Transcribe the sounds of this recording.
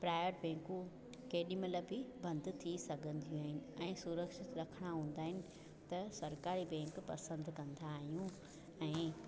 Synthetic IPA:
pɾaːjəʈbɛ̃ːŋkũ | keːɗimələbɪbɐ̃nd̪t̪ʰisɐɡʱə̃nd̪ʱijũaːɦɪnɪ̆ɛ̃ːsuɾəkʃɪt̪ɾɐkʰəɽ̃aɦũːn̆d̪aːɦɪnɪ̆ | t̪ɐsɐɾkaːɾibɛ̃ːŋkpɐsə̃nd̪ʱkɐ̃nd̪aːɦijũ | ɛ̃ː

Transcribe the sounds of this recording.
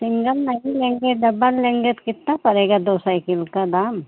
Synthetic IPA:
sɪ̃ŋɡəlnɐɦĩlẽːŋɡeɖɐbəlːẽːŋɡet̪kɪt̪napɐɾeːɡad̪oːsaːikɪlkad̪aːm

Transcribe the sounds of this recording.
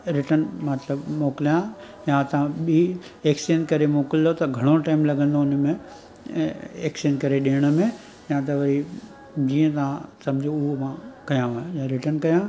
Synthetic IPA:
ɾɪʈənmɐt̪ləbmoːklijã | jãt̪ɐãɓiː | eːksenkɐɾemoːkɪld̪ot̪ɐɡʱɐɽ̃oʈaːɪmlɐɡə̃nd̪oʊn̆mẽ | eːksenkɐɾeɗeːɽ̃ə̆mẽ | jãt̪̬ɐʋɐɾi | d͡ʑiːə̃t̪ɐʋ̤ãsɐ̃md͡ʑʱoʊɦomãkɐjãɦõjãɾɪʈənkɐjã

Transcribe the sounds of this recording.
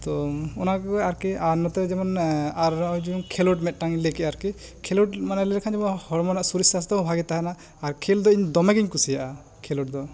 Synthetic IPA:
t̪ɔɔnakɔaɾkianɔt̪ɛd͡ʒɛmɔnaɾd͡ʒujuŋkʰɛlɔʈmɛt̪̚ˀʈaŋilɛkiaɾki | kʰɛlɔʈmanalɛɾkʰand͡ʒɛmɔnhɔɾmɔnaʔsuɾisast̪ɔbʱaɡɛt̪aɦɛnaː | ɾkʰeld̪ɔiɲd̪ɔmɛɡiɲkusijaʔa | kʰɛlɔʈ̚d̪ɔ

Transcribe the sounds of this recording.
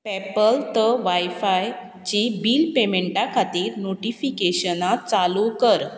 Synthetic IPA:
pɛpəlt̪əʋajfaj | t͡ɕibiːlpemeɳʈakʰat̪iːɾnoʈifikeɕənat̪̚t͡salukəɾ

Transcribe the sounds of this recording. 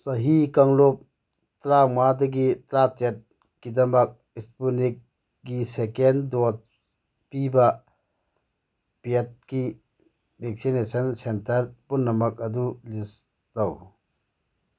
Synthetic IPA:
sɐɦikɐŋlop̚ | tɾamad̪ɐɡit̪ɾatet̚ | kid̪ɐmɐk̚ | ispunik̚ː | isekendɔt̚ | piba | pet̚ki | bek̚sinesɐnsentɐɾpunːɐmɐk̚ɐd̪ulis | dɐw

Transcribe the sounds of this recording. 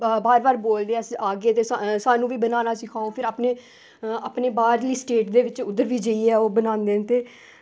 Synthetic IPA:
baːɾʋaːɾboːld̪eːɛːsaːɡeːt̪eːasaːnũːʋiːbənaːnaːsɪkʰaːoːpʰɪɾaːpneː | aːpneːbaːɾliːsʈeːʈd̪eːʋɪt͡ʃʊd̪ːəɾʋiːd͡ʒəiːɛːoːbənãːnd̪eːnt̪eː

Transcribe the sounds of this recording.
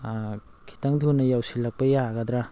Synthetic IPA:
kʰi̥taŋdnɐjawsilak̚pɐjaɡɐd̪ɾa

